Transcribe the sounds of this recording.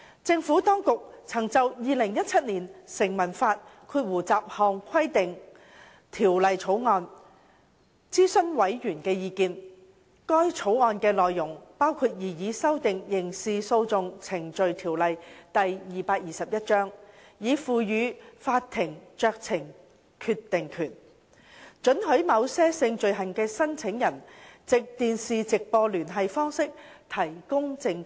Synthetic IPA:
t͡sɪ˧ŋfuː˨˥t̪ɔː˥ŋkʊ˨k̚t͡sʰɐ˨˩ŋt͡sɐ˨wjiː˨lɪ˨˩ŋjɐ˥t̚t͡sʰɐ˥t̚niː˨˩nsɪ˨˩ŋmɐ˨˩nfaː˧t̚kʰuː˧t̚wuː˨˩t͡saː˧p̚hɔː˨ŋkʰɐ˥jt̪ɪ˨ŋ | t̪ʰiː˨˩wlɐ˨jt͡sʰo˨˥wŋɔː˧n | t͡siː˥sɵ˥nwɐ˨˥jjyː˨˩nkɛː˧jiː˧kiː˧n | kɔː˥jt͡sʰo˨˥wŋɔː˧nkɛː˧lɔː˨jːʊ˨˩ŋpaː˥wkʰuː˧t̚jiː˨˩jiː˨˥sɐ˥wt̪ɪ˨ŋjɪ˨˩ŋsiː˨˧so˧wt͡sʊ˨˧ŋt͡sʰɪ˨˩ŋt͡ʃɵ˨ɥt̪ʰiː˨˩wlɐ˨jt̪ɐ˨jjiː˨paː˧k̚jiː˨sɐ˨p̚jɐ˥t̚t͡ʃœː˥ŋjiː˨˧fuː˨˧jyː˨˧faː˧tt̪ʰɪ˨˩ŋt͡ʃœː˧k̚t͡sʰɪ˨˩ŋ | kʰy˧t̪ːɪ˨ŋkʰyː˨˩n | t͡ʃɵ˨˥nɦɵ˨˥mɐ˨˧wsɛː˥sɪ˧ŋt͡ʃɵ˨ɥɦɐ˨˩nkɛː˧sɐ˥nt͡sʰɪ˨˥ŋjɐ˨˩nt͡sɪ˨k̚t̪iː˨nsiː˨t͡sɪ˨k̚pɔː˧lyː˨˩nɦɐ˨jfɔː˥ŋsɪ˥k̚t̪ʰɐ˨˩jkʊ˥ŋt͡sɪ˧ŋ

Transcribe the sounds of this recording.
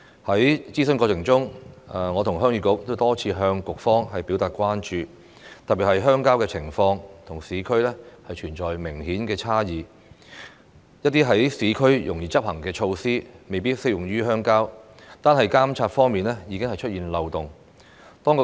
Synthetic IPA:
hɐ˨˥jt͡siː˥sə˥nkɔː˧t͡sʰɪ˨˩ŋt͡sʊ˥ŋɐ˨ŋɔ˨˧t̪ʰʊ˨˩ŋɦœː˥ŋjyː˧˥kʊ˨˥k̚t̪o˥wt̪ɔː˥t͡sʰiː˧ɦœː˧ŋkʊ˨k̚fɔː˥ŋɦɐ˨jpi˨˥wt̪aː˨t̚kʷwaː˥nt͡ʃyː˨ | t̪ɐ˨p̚piː˨˩hɐ˨jɦœː˥ŋkaː˥wkɛː˧t͡sʰɪ˨˩ŋfɔː˧ŋt̪ʰʊ˨˩ŋsiː˨˥kʰɵ˥ɥlɛː˥hɐ˨jt͡ʃʰyː˨˩nt͡ʃɔː˨jmɪ˨˩ŋhiː˨˥nkɛː˧t͡sʰaː˥jiː˨˩ | jɐ˥t̚t̪iː˥ɦɐ˨˥jsiː˨˥kʰɵ˥ɥjʊ̰˨˩ŋjiː˨t͡sɐ˥p̚hɐ˨˩ŋkɛː˧t͡ʃʰo˧wsiː˥me˨jpiː˥t̚sɪ˥k̚jʊ˨˩ŋjyː˥ɦœː˥ŋkaː˥wt̪aː˥nɦɐ˨jkaː˥mt͡sʰaː˧t̚fɔː˥ŋmiː˨nlɛː˥jiː˨˧kɪ˥ŋhɐ˨jt͡ʃʰɵ˥t̚jiː˨nlɐ˨wt̪ʊ˨ŋ | t̪ɔː˥ŋkʊ˨

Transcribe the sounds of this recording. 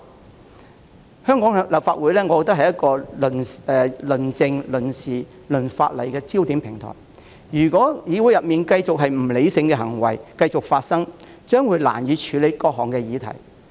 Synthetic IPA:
hœː˥ŋkɔː˨˥ŋ˧˥lɐ˨pfaː˧t̚wuː˨˥jlɛː˥ŋɔː˨˧kɔ˧t̪ɐ˥khɐ˨jɐ˥t̚kɔː˧lnɛː˨˧lɵ˨˩nt͡sɪ˧ŋlɵ˨˩nsiː˨ | lɵ˨˩nfa̰ː˧t̚lɐ̰˨˩jkɛː˧t͡si˥wt̪iː˨˥mpʰɪ˨˩ŋt̪ʰɔ̰ː˨˩j | jyː˨˩kɔː˨˥jiː˨˧wu˨˥jɐ˨p̚miː˨nkɐ˧jt͡sʊ˨k̚ɦɐ˨jm̩˨˩le˨˧˥jsɪ˧ŋkɛː˧ɦɐ˨˩ŋwɐ̰˨˩jkɐ˧jt͡sʊ˨k̚faː˧t̚sɐ˥ŋ | t͡ʃœː˥ŋwuː˨˧jla̰ː˨˩njiː˨˧t͡ʃʰyː˨˧le˨˧˥jkɔː˧k̚ɦɔː˨˩ŋkɛː˧jiː˨˧t̪ʰɐ̰˨˩j

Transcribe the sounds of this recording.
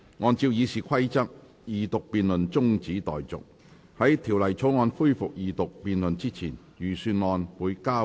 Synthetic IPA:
ŋɔː˨˧nt͡siː˧wjiː˨˧siː˨kʷʰɐ˥jt͡sɐ˥k̚ | jiː˨t̪ʊ˨k̚piː˨nlɵ˨nt͡sʊ˥ŋt͡siː˨˥t̪ɔ̰ː˨jt͡sʊ̰˨k̚ | hɐ˨˥jt̪ʰiː˨˩wlɐ˨˩jt͡sʰo˨˥wŋɔː˨˧nfuː˥jfʊ˨k̚jiː˨t̪ʊ˨k̚piː˨nlɵ˨nt͡siː˥t͡sʰiː˨˩n | jyː˨˩syː˧nŋɔː˨˧nwuː˨˧jkaː˥

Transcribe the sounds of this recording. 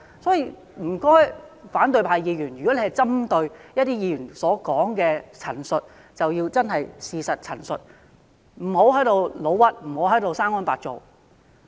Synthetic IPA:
sɔː˨˥jiː˧ | m̩˨˩kɔː˥jfaː˨˥nt̪ɵ˧ɥpʰaː˨jiː˨˧jyː˨˩njy˨kɔ˨˥e˧hɐ˨jt͡sɐ˥mt̪ɵ˧ɥjɐ˥t̚t̪iː˥jiː˨˧jyː˨˩nsɔː˨˥kɔː˨˥ŋkɛː˧t͡sʰɐ˨˩nsɵ˨t̚ | t͡sɐ˨wjiː˧wt͡sɐ˥nɦɐ˨jsiː˨˧sɐ˨t̚t͡sʰɐ˨˩nsɵ̰˨t̚ | m̩˨˩ho˨˧˥wɦɐ˨˥jt̪o˨˧wlo˨˧wɐ˥t̚m̩˨˩ho˨˥wɦɐ˨˥jt̪o˨˧wsaː˥ŋɔː˥npaː˧˩t̚t͡so̰˨w

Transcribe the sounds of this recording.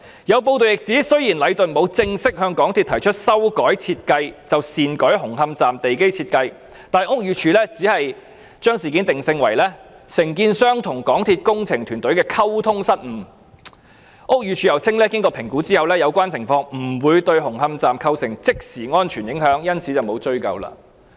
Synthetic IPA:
jɐ˨˧wpo˧wt̪o˨wjɪ˨k̚t͡siː˨˥sɵ˥ɥjiː˨˩nlɐ˨˧jt̪ɵ˨nmo˨˧wt͡sɪ˧ŋsɪ˥k̚hœː˧ŋkɔː˨˥ŋt̪ʰi˧t̪̚ʰɐ˨˩jt͡ʃʰɵ˥t̚sɐ˥wkɔː˨˥jt͡sʰiː˧t̚kɐ˧jt͡sɐ˨wsiː˨nkɔː˨˥jɦʊ˨˩ŋɦɐ˧mt͡saː˨mt̪e˨jke˥jt͡sʰiː˧t̚kɐ˧j | t̪aː˨nʊ˥k̚jyː˨t͡ʃʰyː˧lɛː˥t͡siː˨˥hɐ˨j | t͡ʃœː˥ŋsiː˨˩kiː˨˥nt̪ɪ˨ŋsɪ˧ŋwɐ˨˩jlɛː˥sɪ˨˩ŋkiː˧nsœː˥ŋt̪ʰʊ˨˩ŋkɔː˨˥ŋt̪ʰiː˧t̚kʊ˥ŋt͡sʰɪ˨˩ŋt̪ʰyː˨˩nt̪ɵ˨˥ɥkɛː˧kʰɐ˥wt̪ʰʊ˥ŋsɐ˥t̚m̩˨˩ | ʔʊ˥k̚jyː˨t͡ʃʰyː˧jɐ˨˩wt͡sʰɪ˥ŋlɛː˥kɪ˥ŋkɔː˧pʰɪ˨˩ŋkuː˨˥t͡siː˥hɐ˨wlɛː˥jɐ˨˧wkʷaː˥nt͡sʰɪ˨˩ŋfɔː˧ŋm̩˨˩wuː˨˧jt̪ɵ˧ɥɦʊ˨˩ŋhɐ˧mt͡saː˨mkʰɐ˧wsɪ˨˩ŋt͡sɪ˥k̚siː˨˩ŋɔː˥nt͡ʃʰyː˨˩njɪ˨˥ŋɦœː˨˥ŋjɐ˥nt͡sʰiː˨˥t͡sɐ˨wmo˨˧wt͡ʃɵ˥ɥkɐ̰˨˧wla̰ː˧

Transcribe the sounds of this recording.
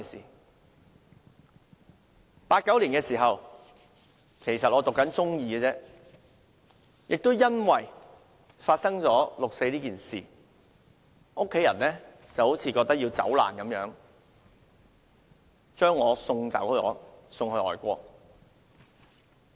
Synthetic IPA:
sḭː˨˩ | paː˧t̚kːɐ˨˥wliː˨˩nŋkɛː˧siː˨˩ɦɐ˨w | kʰe˨˩jsɐ˨t̚ʔɔː˨˧t̪ʊ˨kːɐ˨˥nt͡sʊ˥ŋjiː˧ɛ˧t͡sɛː˥ | jʔɪ˨k̚t̪o˥wjɐ˥nwɐ˨˩j | faː˧t̚sɐ˥ŋt͡sɔː˨˥lʊ˨k̚se˧jliː˥kiː˨nsiː˨˩ | ʔʊ˥kʰːe˨˥jɐ˨˩nlɛː˥ | t͡sɐ˨˩who˨˥wt͡sʰiː˨˧kɔː˧k̚t̪k̚jiː˧t͡sɐ̰˨˥wla̰ː˨˩nkɐ˨˥mjœː˨˥ŋ | t͡ʃœː˥ŋːɔː˨˧sʊ˧ŋt͡sɐ̰˨˥whɵ˧ɔ̰ː˨˧sʊ˧ŋhɵ˧ɔ̰ː˨˩jkʷɔː˧k̚

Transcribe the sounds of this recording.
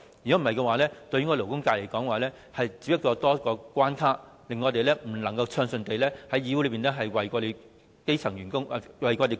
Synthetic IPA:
yː˨ɔ˦˥m̩˨˩hɐ˨jkɛ˧waː˨˧˦lɛː˥t̪ɵ˧ɥy˥kɔː˧lo˨˩wkʊ˥ŋkaː˧jle˨˩jkɔː˨˥ŋwaː˨˧lɛː˥ | hɐ˨jt͡siː˧p̚jɐ˥k̚t͡ʃɔː˧t̪ɔː˥kɔː˧kʷaː˥nkʰaː˥ | lɪ˨ŋːɔː˨˧t̪e˨jlɛː˥m̩˨˩lɐ˨˩ŋkɐ˧wt͡sʰœː˧ŋsɵ˨nt̪e˨jlɛː˥hɐ˨˥jiː˧wu˥lɵ˨˧˥piː˨nɛː˥ɦɐ˨jwɐ˨jkɔː˧t̪e˨j | ke˥jt͡sʰɐ˨˩ŋɥyː˨˩nkʊ˥ŋ˨wɐ˨jkɔː˧t̪e˨

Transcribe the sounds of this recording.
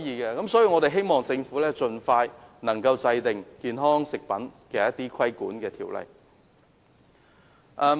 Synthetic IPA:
jiː˧kɛː˧kɐ˨˥msɔː˨˥jiː˧wŋɔ˨˧ɾe˨jɦe˥jmɔː˨ŋt͡sɪ˧ŋfu˨˥lɛː˥t͡ʃɵ˧nfaː˧jnɐ˨˩ŋkɐ˧wt͡sɐ˧jt̪ɪ˨ŋkiː˧nɦɔː˥ŋsɪ˨k̚pɐ˨˥nkɛː˧jɐ˥t̪ːiː˥kʰɐ˥jkuː˨˥nkɛː˧t̪ʰiː˨˩wlɐ̰˨˩j | ʔɛː˧

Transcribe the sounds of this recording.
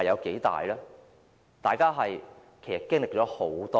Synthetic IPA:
ɐjɐ˨˧wke˨˥jt̪a̰ː˨jlɛː˥ | t̪aː˨jkaː˥ɦɐ˨j | kʰe˨˩jsɐ˨t̚kɪ˥ŋlɪ˨k̚t͡ʃɔː˨˥ho˨˩˥wt̪ɔː

